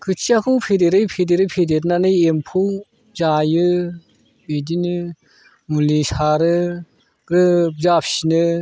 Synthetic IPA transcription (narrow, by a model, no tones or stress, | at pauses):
kʰɯt͡ʃiakʰɯwpʰedeɾɯjpʰedeɾɯjpʰedeɾnanɯjempʰuw | zajɯ | bedinɯ | mulisaɾɯ | ɾɯzapʰsinɯ